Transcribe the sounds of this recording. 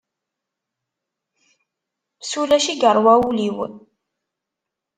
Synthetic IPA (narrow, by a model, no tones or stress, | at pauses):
sulæʃiɡəɾˤwæuliwə̰n